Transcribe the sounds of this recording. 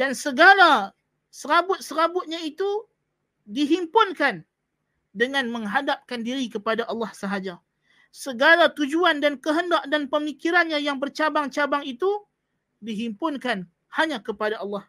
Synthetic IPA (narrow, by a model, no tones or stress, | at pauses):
dansəɡala | səɾabʊt̪̚səɾabʊt̪̚ɲãit̪u | diɦimpʊnkan | dəŋãnmə̃ŋɦadap̚kandiɾikəpadaʔɑlːahsəɦad͡ʒa | səɡalat̪ud͡ʒuandankəɦəndaʔ̚danpəmikiɾanɲajaŋbərt͡ʃabaŋt͡ʃabaŋit̪u | diɦimpʊnkan | haɲãkəpadaɑlːɑh